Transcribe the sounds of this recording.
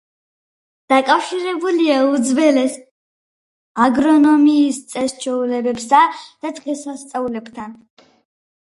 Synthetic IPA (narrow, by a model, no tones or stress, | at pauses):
d̪̥akʼafʃiɾɛbuliaud̪zvɛlɛs | aɡɾɔnɔmiːst̪sʼɛst͡ʃʰɛulɛbɛbsad̪̥ad̪ʁɛsast̪sʼaulɛbt̪ʰan